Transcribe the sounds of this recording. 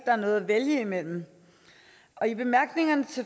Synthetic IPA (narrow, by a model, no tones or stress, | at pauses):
d̥ɑ̈æɐnɔ̽ːð̩ˠæʋeljəimel̰m̩ | ʔɒ̽ib̥e̝mæɐɡ̥ne̝ŋɐnət͡sʰe̝